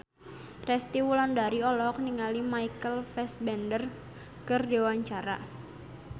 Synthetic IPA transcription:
rɛst̪iwulandaɾiɔlɔk̚niŋalimaikəlfɛsbɛndər | kərdiwaɲt͡ʃaɾa̰

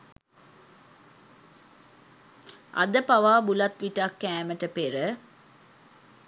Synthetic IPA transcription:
ɐ̰d̪əpaʋaːbulat̪ʋiʈakːæːməʈəpeɾə

